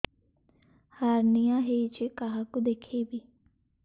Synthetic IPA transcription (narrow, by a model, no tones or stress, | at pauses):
haːɾnijãːɦeːit͡ʃekaɦakud̪eːkʰeːbiː